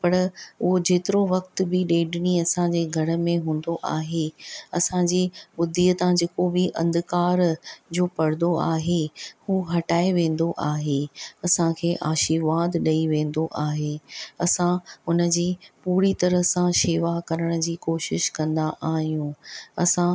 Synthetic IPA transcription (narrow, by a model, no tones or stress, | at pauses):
pɐɾʊɦod͡ʑeːt̪ɪɾoʋɐkt̪bɪɗeːɖɪñiɐsãd͡ʑeːɡʱɐɾə̆mẽɦũːn̆d̪oʔaːɦeɐsãd͡ʑiːbʊd̪ʱiːət̪ãd͡ʑeːkobɪʔɐ̰̃nd̪kaːɾd͡ʑoːpɐɽ̤nd̪oaːɦehuːɦɐʈaːeʋẽːn̆d̪oʔaːɦeːɐsãkʰeːʔaːʃɪɾʋaːd̪ɗɐiʋẽːn̆d̪oʔaːɦeːɐsãʊnə̆d͡ʑiːpuːɾit̪ɐɾəsãʃeːʋakɐɾəɽ̃ə̆d͡ʑiːkoːʃɪʃkɐ̃nd̪aʔaːɦijũːɐsã